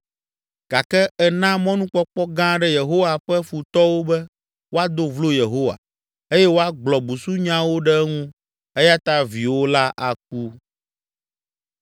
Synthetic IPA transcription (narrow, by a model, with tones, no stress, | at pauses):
ɡ̥a˨kɛ˦ɛ˨nã˦mɔ̃˦nũ˦k͡pɔ˦k͡pɔ˦ɡã˦ɖɛ˦je˨ɦo˦wa˨ɸɛ˦fu˨t̪ɔ˦wo˦bɛ˦ | wo˦a˦d̪o˦vlo˦je˨ɦo˦wa̰˨ | e˦jɛ˦wo˦a˦ɡ͡blɔ˨bu˨su˦ɲã˦wo˦ɖɛ˦ŋũ˦ | e˦ja˦t̪a˦vi˨wo˦la˦ʔa˨k̚u˦